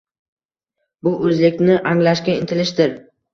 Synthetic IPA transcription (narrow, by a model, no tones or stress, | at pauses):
bʊʔɵzlɪkʲnɪʔaŋlaʃkʲaɪnt̪ʰɪlɪʃd̪ɪɾ